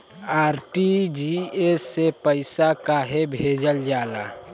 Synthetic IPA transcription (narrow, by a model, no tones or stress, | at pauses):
aːɾʈid͡ʒiesːepəɪsakaɦebʱed͡ʒəld͡ʒaːla̰